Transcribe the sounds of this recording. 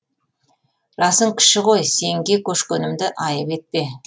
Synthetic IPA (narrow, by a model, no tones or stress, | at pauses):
ɾɑsəɴkʲʰɪ̥ʃɪqo̞jse̞ŋɡʲe̞kʲʰɵʃkʲɵnɪmd̪ɪʔɑjəpe̞t̪̚pe